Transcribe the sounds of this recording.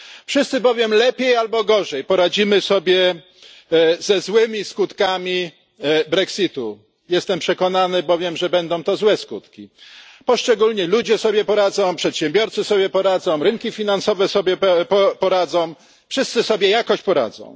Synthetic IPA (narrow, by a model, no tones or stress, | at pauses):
fʂɘst̪sɘbɔvʲjɛmlɛpʲjejalbɔɡɔʐɛjpɔɾad͡ʑimɘsɔbʲjɛ | zɛzwɘmʲiskut̪kamʲi | bɾɛksʲit̪u | jɛst̪ɛmpʂɛkɔnanɘbɔvʲjɛmʐɛbɛnd̪ɔ̃w̃t̪ɔzwɛskut̪kʲipɔʂt͡ʂɛɡulɲɛlud͡ʑɛsɔbʲjɛpɔɾad̪zɔ̃w̃pʂɛt̪ɕɛmbʲjɔɾt̪sɘsɔbʲjɛpɔɾad̪zɔ̃w̃ɾɘŋkʲifʲinansɔvɛsɔbʲjɛpɔpɔɾad̪zɔ̃w̃ | fʂɘst̪sɘsɔbʲjɛjakɔɕt͡ɕpɔɾa̰d̪zɔ̰̃w̃